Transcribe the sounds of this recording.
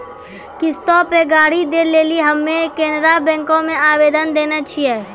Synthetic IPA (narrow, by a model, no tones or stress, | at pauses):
kɪst̪ɔːpeɡaːɽid̪eːleːliɦɐmːẽkeːnɾabɛ̃ːŋkõmẽaːʋeːd̪ənd̪eːnat͡ʃʰiɛː